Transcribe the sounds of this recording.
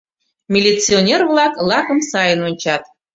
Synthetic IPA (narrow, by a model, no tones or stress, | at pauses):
mʲilʲit͡sionʲervlˠɑklˠɑkəmsɑjənonʲt͡ɕɑt̪